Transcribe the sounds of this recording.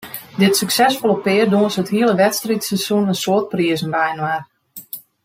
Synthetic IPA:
dɪtsyksɛsfɔlˠəpɪərdoənsətɦiəlˠəʋɛtstritsɛsunənsoət̚priəzənʋɛjnwar

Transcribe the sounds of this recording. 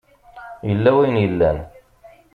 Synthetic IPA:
jəlːæwæjənjəlːæ̰n

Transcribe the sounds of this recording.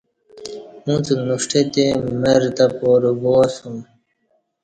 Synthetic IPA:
ũt͡sunuʂʈʰet̪emeɾt̪apoːɾuboːsũ

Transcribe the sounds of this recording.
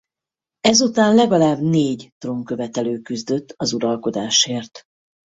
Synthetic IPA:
ɛzut̪aːnlɛɡɒlaːbneːɟt̪romkø̞vɛt̪ɛløːkyzd̪øt̪ːɒzuɾɒlko̞d̪aːʃeːrt̪

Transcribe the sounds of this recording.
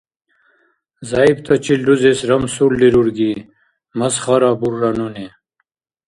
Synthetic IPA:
zaibt̪ʰat͡ɕilɖuzesɾɐmsulːiɾuɾɡi | mɐsχaɾabuɾːanune

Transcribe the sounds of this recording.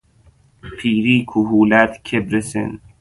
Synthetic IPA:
pʰiːɾiːkʰuɦuːlæt̪kʰebɾesḛn

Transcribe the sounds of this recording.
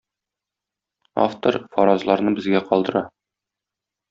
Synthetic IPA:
a̰ft̪oɾfɒɾɑzlˠɑɾnɤbɘ̆zɡæqɒlˠd̪ɤ̆ɾɑ

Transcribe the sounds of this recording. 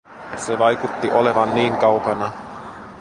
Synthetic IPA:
seʋɑjkut̪ːiʔo̞le̞ʋɑnːiːŋkɑwkɑnɑ

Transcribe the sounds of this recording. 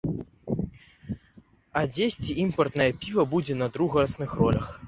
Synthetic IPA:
ɐd͡zʲesʲt͡sʲiimpɐrt̪nɐjɐpʲivɐbud͡zʲɛnɐd̪ɾuɣɐɾɐsnɨxrɔlʲɐx

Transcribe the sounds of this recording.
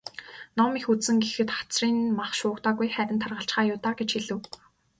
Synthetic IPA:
nɔmixuɘ̆ŋɡexɘ̆t̪χḁt͡sriːnmaχʃʊːkt̪aːɣujχæːɾʲɪ̆nt̪ʰarʁə̆ɬt͡ɕχaːjʊːt̪aːɡet͡ɕxiɮɘ̆w

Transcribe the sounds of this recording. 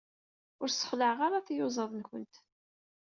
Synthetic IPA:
ʊɾsə̥χləʕʁaɾaθjʊzˤɑðˤnkənt̪

